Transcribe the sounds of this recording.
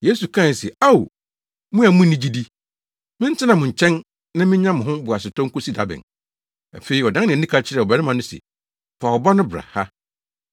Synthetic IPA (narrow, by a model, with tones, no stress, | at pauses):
je˦su˨kʰã˦˨sɛ˨a˦˨wu˨ | mʊ̃˦æ˨mʊ̃˦nĩ˦d͡ʑi˦di˦ | mɪ̃˦n̩˦tʰɪ˦nã˨mʊ̃˨ɲ̩˨t͡ɕʰɛ̃˦n | nã˦mɪ̃˦ɲã˦mʊ̃˨ɦʊ̃˦bʊ˨a˨sɪ˨tʰɔ̃˦ŋ˦kʊ˦si˦da˦bɪ̰̃˨n | æ̰˨fe˨i˨ɔ˨dã˦nɪ̃˨nĩ˦kʰa˦t͡ɕʰɪ˦ɾɛ˨ɔ˨bɛ˨nɪ˦mã˨nʊ̃˦sɛ̰˨ | fa˨wɔ˨ba˦nʊ̃˦bɾa̰˨ha˦